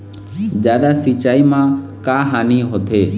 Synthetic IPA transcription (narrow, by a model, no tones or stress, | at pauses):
d͡ʒjaːd̪aːsit͡ʃaːiːmãːkaːɦaːniːɦot̪ʰeː